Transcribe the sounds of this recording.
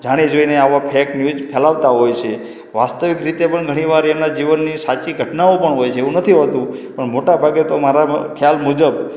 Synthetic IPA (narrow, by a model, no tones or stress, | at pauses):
d͡ʒaɽ̃ed͡ʒoineaʋapʰɛknjud͡ʒpʰɛlaʋt̪aɦojt͡ʃʰe | ʋast̪əʋikɾit̪epəɳɡʱəɽ̃iʋaɾɛmnad͡ʒiʋənːisat͡ʃiɡʱəʈnaopəɳɦojt͡ʃʰeeʋũnət̪ʰiɦɔt̪ũpəɳmoʈabʱaɡet̪omaɾakʰjalmud͡ʒəb